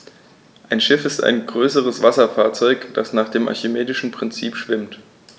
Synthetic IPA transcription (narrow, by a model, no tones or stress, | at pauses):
ʔaɪnʃɪfɪsta̰ɪnɡʁøːsəʁ̞əsv̥asɐfaːɐt͡sɔʏkd̥asnaːχd̥eːmʔa̰çɪmeːdɪʃn̩pʁ̥ɪnt͡siːpʃv̥ɪmt